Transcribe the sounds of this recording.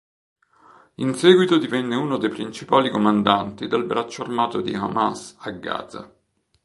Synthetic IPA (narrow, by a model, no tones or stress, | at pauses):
insɛːɡwit̪od̪ivɛnːeuːnod̪ejpɾint͡ʃipaːlikomand̪ant̪id̪elbɾat͡ʃːoarmaːt̪od̪ḭa̰masaɡːa̰ːd̪a̰